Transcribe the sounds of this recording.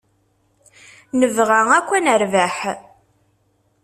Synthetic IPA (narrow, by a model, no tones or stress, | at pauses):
nəvʁaŋækʷːænəɾvæħ